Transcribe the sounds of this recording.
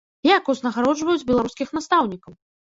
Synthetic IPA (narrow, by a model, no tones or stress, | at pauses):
jakuznɐɣaɾɔd͡ʐvɐjut͡sʲbʲɛlˠaɾuskʲixnast̪awnʲikɐw